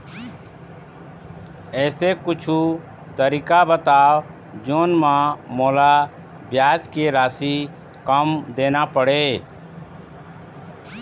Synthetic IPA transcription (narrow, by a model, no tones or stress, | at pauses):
ɛːsekʊt͡ʃʰu | t̪əɾikabət̪aːʋ | d͡ʒoːnmãmoːla | bjaːt͡ʃkeɾaːsi | kəmd̪eːnaːpəɽeː